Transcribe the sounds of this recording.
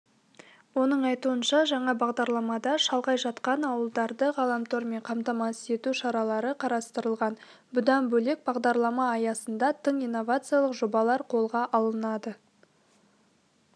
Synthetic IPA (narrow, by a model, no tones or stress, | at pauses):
wo̞nəɴɑjt̪uənʃɑʒɑɴɑbɑʁd̪ɑɾlˠɑmɑd̪ɑʃɑlˠʁɑjʒɑt̪qɑnɑwəlˠd̪ɑɾd̪əʁɑlˠɑmt̪oɾme̞ɴqʰɑmt̪ɑmɑse̞t̪uʃɑɾɑlˠɑɾəqʰɑɾɑst̪əɾəlˠʁɑn | bʊd̪ɑnbɵle̞k̚bɑʁd̪ɑɾlˠɑmɑːjɑsənd̪ɑt̪ʰəɴijnːo̞vat̪sɨjalˠəqʒobɑlˠɑɾqʰo̞lˠʁɑʔɑlˠənɑd̪ə